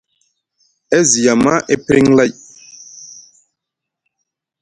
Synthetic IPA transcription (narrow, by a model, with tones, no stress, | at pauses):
ɛ˦zi˨a˨ma˦ʔɛ˦pɾi˦ŋla˦˨j